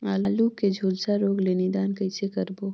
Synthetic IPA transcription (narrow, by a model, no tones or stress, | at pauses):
aːlaːluːked͡ʒʱuːlsaɾoːɡleːnid̪aːnkəɪsekɐɾboː